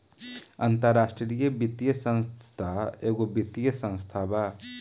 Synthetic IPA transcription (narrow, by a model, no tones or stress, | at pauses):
ənt̪əɾasʈɾɾijəbit̪ijəsə̃nst̪ʰaeːɡobit̪ːijəsə̃nst̪ʰaba